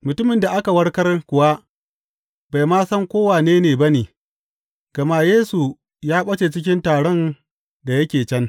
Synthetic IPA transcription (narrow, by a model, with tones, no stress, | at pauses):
mʊ˨tʊ˦mɪ˨nda˨ʔa˦ka˨wɐ˦rkɐ˦rkʷʊ˨wa˦ | ba˨jmaː˦sɐ˦ŋkʷoː˦waː˨neː˦neː˨bɐ˦niː˨ | ɡ̥ɐ˨maː˦˨jeː˦su˨ | jaː˦ɓɐ˦t͡ʃe˨t͡ʃɪ˦k̬ʲɪ˦ntaː˨ɽɔ˦n | da˨jɐ˦kʲeː˨t͡ʃɐ˦n